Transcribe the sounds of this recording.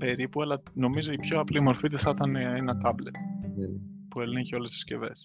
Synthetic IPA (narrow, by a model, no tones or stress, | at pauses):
pe̞ɾipuɐlɐno̞mizo̞ipço̞ɐplimo̞ɾfit̪isɐt̪ɐneenɐt̪ɐblet̪̚ | puelineçeo̞lest̪i̥sce̞̰ve̞̰s